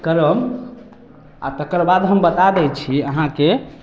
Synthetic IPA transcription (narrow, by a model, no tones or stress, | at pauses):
kəɾəm | a̰t̪əkəɾbad̪ɦəmbət̪ad̪ɛt͡ʃʰiəɦãke